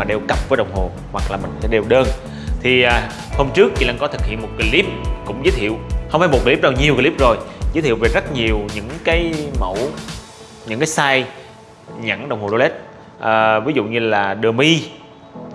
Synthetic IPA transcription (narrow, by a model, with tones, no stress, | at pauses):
maː˨˩ɗe˧˩wkə˨˩p̚vəː˨˦ɗə˨˩wŋ͡mho˨˩ | hwa˨˩k̚laː˨˩mï˨˩ŋ̟sɛ˧˥ɗe˨˧˩wɗəː˧n | t̪ʰi˨˩ʔaː˨˩ | hoː˧mt͡ɕɨ˦˥əkːḭ˧˦la˧ŋkɔ˨˦t̪ʰɨ˨˩k̚hḭ˧˨ənmo˨˩t̚ki˨˦li˦˥p̚kʊ̰˧˥ŋ͡mzəː˨˦t̪ʰḭ˧˨ə˨whə˧wŋ͡mfa˧˨˦jm̚˨˩kiː˨˧˨i˦˥ɗaː˧wɲi˨˩əwkːli˦˥p̚zo˨˩jzə˨˦t̪ʰḭ˧˨wve˨˩zt̚ɲi˨˩əwɲɨ̰˧˥ŋkaː˨˦jmə̰˧˥w | ɲɨ̰˧˥ŋkaː˨˦jsaː˧j | ɲa̰˧˥nɗwŋ͡mho˨˩ɗo˧le˦˥t̚ | ʔəː˨˩vi˨˦zṵ˧˨ɲɨ˧laː˨˩ɗɨ˨˩əmi˧